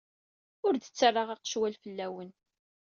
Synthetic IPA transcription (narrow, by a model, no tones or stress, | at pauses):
ʊɾd̪ət͡sːərˤːɑʁɑqə̥ʃwælfəlːæwən